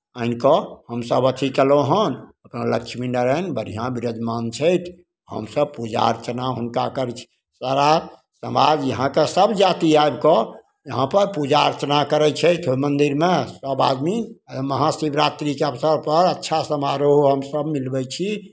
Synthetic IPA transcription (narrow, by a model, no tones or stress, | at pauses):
əinkɔhəmsəbət̪ʰikeloɦənəpnaləkʃʰminəɾənbəɾijãbiɾod͡ʒmant͡ʃʰəjt̪ʰ | ɦə̰msəb̚pud͡ʒa̰ə̰ɾt͡ʃnaɦunkakəɾt͡ʃʰi̥ | saɾa | səmad͡ʒjəɦãkesəbd͡ʒat̪iaebkɔ | jəɦãpəɾpud͡ʒaəɾt͡ʃənakəɾɛt͡ʃʰəjt̪ʰomənd̪iɾmesəba̰d̪miməɦãsibɾat̪ɾikeəbsəɾpəɾətːʃʰasəmaɾoɦoɦəmsəbmilbɛt͡ʃʰi